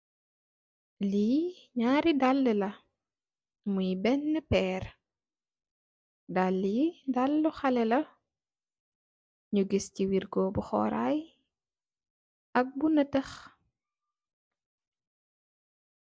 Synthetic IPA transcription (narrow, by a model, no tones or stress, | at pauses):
liː | ɲaːɾidalːəlɐ | mujbɛnːəpɛːr | dalːdalːuxɐlɛlɐ | ɲuɡisciwirɡɔbuxɔ̰ːɾa̰j | ɐk̚bunɐtɐx